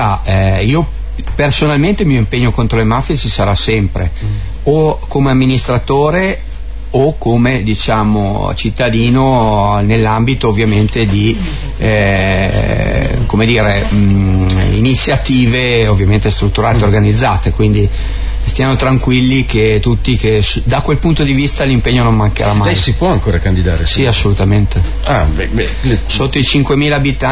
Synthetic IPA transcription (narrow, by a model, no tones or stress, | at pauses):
aiːo | personalment̪emiːoimpeɲːokont̪ɾolemafjet͡ʃisaɾasɛmpɾḛ | okomeamːinist̪ɾat̪oːɾe | okːomed̪it͡ʃaːmo̰t͡ʃit̪ːad̪iːnonelːambit̪oːvːjament̪ed̪i | komed̪iːɾe | init̪sːjat̪iːveovːjament̪est̪ɾut̪ːuɾaːt̪eorɡanid̪zːaːt̪ekwind̪i | tst̪iːanot̪ɾaŋkwilːiket̪ut̪ːikes | d̪akwelpunt̪od̪ivist̪alimpeɲːonommaŋkḛɾamːajsipwɔaŋkoːɾakand̪id̪a̰ːɾesiasːolut̪ament̪e | aɛɛ | sot̪ːoit͡ʃiŋkwemiːlaːbit̪a